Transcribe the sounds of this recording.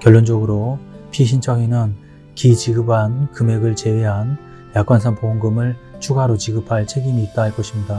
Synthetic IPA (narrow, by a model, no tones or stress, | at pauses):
kjʌɭːond͡ʑʌɡɯɾopʰiɕʰint͡ɕʰʌɡinɯn | kit͡ɕiɡɯbʱankɯme̞ɡɯɭt͡ɕe̞weɦan | jak͈wansʰaŋpoŋɡɯmɯɭt͡ɕʰuɡaɾot͡ɕiɡɯpʰaɭt͡ɕʰe̞ɡimiːt̚t͈aɦaɭk͈ʌɕʰimɲida